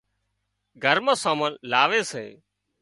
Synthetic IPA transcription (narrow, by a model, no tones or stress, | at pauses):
ɡʱəɾmãːsãːmənlaːʋeːsḛː